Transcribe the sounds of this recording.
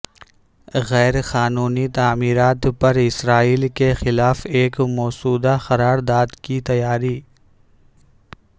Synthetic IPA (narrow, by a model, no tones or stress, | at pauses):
ɣɛːɾxaːnuːnit̪aːmiːɾaːt̪pɐɾɪsɾaːiːlkexɪlaːfeːkmɔːsuːd̪axɐɾaːɾd̪aːd̪kit̪ɐjaːɾiː